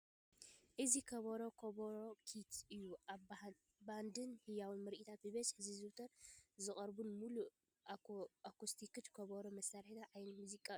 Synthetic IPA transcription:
ʔɨzikʰɐβɐɾokʰɐβɐɾokʰit̪ɨjːu | band̪ɨnhɨjawɨnmɨɾʔit̪ʰat̪̚bɨβɐsħɨzizɨwt̪ʰɐɾzɨχʼɐɾbunmulu | akust̪ʰikɨt̪kʰɐβɐɾomɐsaɾħit̪ʰaʕajnmuzikʼːa

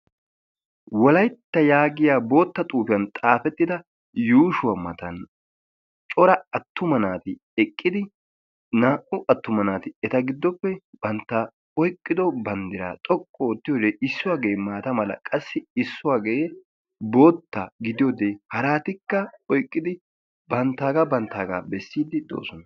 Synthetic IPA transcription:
wɔlɐjt̪ːɐjaːɡɪjaːbo̞ːt̪ːɐt̪ʼuːfɪjɐnt̪ʼaːfɛt̪ːɪd̪ɐ | juːʃʊwɐmɐt̪ɐn | t͡ʃʼɔɾɐɐt̪ːʊmɐnaːt̪ɪ | ɛkʼːɪd̪ɪ | naːʔʊʔɐt̪ːʊmɐnaːt̪ɪɛt̪ɐɡɪd̪ːɔpːɛb̥ɐnt̪ːɐ | ɔjkʼːɪd̪ɔbɐnd̪ɪɾa̰ːt̪ʼɔkʼːɔt̪ːɪjoːd̪eʔɪsːʊwaːɡejmaːt̪ɐmɐlɐ̰kʼɐsːɪɪsːʊwaːɡeje | bo̞ːt̪ːɐɡɪd̪ɪjoːd̪eːhɐɾaːt̪ɪkːɐɔjkʼːɪd̪ɪ | bɐnt̪ːaːɡabɐnt̪ːaːɡa̰ːbɛsːiːd̪ɪd̪o̰ːsɔnɐ

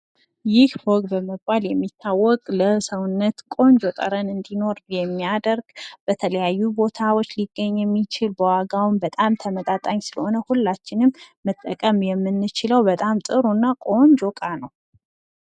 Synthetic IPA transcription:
jɪhfoɡbəməbːaljɛmːit̪ʰːawːɔkʼləsəwʊnːət̪kʼo̞nd͡ʒot̪ʼə̰ɾənɨnd̪ino̞ɾjɛmːiad̪əɾɡb̥ət̪ʰələjajːubo̞t̪ʰawot͡ʃːliɡːəɲːjɛmːit͡ʃʰɪlbəwaɡawnbət̪ʼamt̪ʰəmət̪ʼat̪ʼaɲsɨləho̞nəhulːat͡ʃːɪnɨmːət̪ʼːəkʼəmjɛmːɨnːɨt͡ʃɪləwbət̪ʼamt̪ʼɨɾunːakʼo̞nd͡ʒokʼanəw

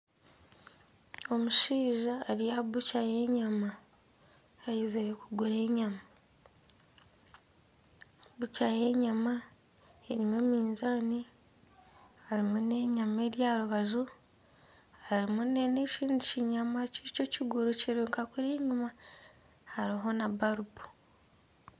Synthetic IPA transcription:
o̞muʃiːʒaːɾijabucaje̞ɲamaː | jizeɾekuɡuɾe̞ːɲama | bucaje̞ɲama | eɾimwemiːnzaːni | aɾimune̞ɲame̞ɾjaɾuβaʒu | haɾimunene̞ʃiːndiciɲamacico̞ciɡuɾuciɾuːŋkakuɾeːɲuma | haɾiɦo̞naβaɾupu̥

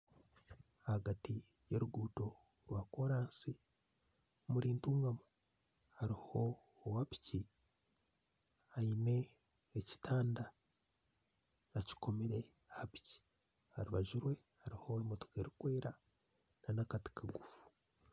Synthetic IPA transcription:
aaɡati | je̞ɾuɡuːto̞ | ɾwaːkoɾaːnsi | muɾiːntuːŋɡamo | haɾiho̞ː | wapi̥ci | haine̞ː | ci̥taːnda | aci̥ko̞meɾe̞ | api̥ci̥ | haɾuβaʒuɾwe̞haɾiho̞emoto̥keɾikweːɾa | nanakati̥kʰaɡufu̥

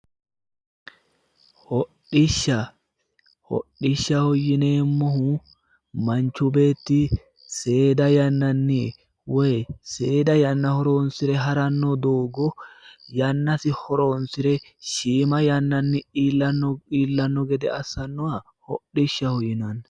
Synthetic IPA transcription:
hɔɗɪʃːɐ | hɔ̰ɗɪʃːɐhɔjːɪne̞ːmːɔhʊ | mɐnt͡ʃːʊbe̞ːt̪ːɪ | se̞ːd̪ɐjɐnːɐnːɪ | wɔjse̞ːd̪ɐjɐnːɐhɔɾoːnsɪɾɛɦɐɾɐnːɔd̪oːɡɔjɐnːɐsɪhɔɾonsɪɾɛʃiːmɐjɐnːɐnːɪiːlːɐnːɔiːlːɐnːɔɡɛd̪ɛɐsːɐnːɔɐ | hɔɗːɪʃːɐhɔjːɪnɐnɐ

